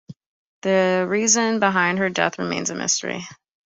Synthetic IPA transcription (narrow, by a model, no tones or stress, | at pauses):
ðɨɹizɨ̃nbəɦãɪ̃nd̚ə˞dɛ̰θɹɨmẽɪ̃nzɨmɪ̰stə̰˞ḭ